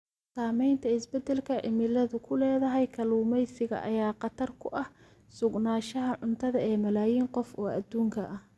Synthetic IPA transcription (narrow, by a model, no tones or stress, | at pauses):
saːmɛjnt̪ʰɐɪsbɛd̪ɛlkʰɐʔɪmɪlɐðʊkʰʊlɛːðɐɦɛjkʰɐluːmɛjsɪɣɐ̰ʔɐ̰jaːqɑt̪ʰɐrkʰʊʔɐh | sʊɡnaːʃɐɦɐʕʊnt̪ʰɐðɐɛːmɐlaːjiːŋqɔfɔːɐd̪uːŋkʰɐʔɐh